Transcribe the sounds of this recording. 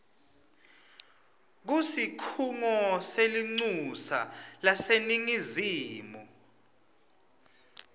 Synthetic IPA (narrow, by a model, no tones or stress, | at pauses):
k̬usikʰuŋɔseliŋ͡ǀusa̰laseniŋiziːmɔ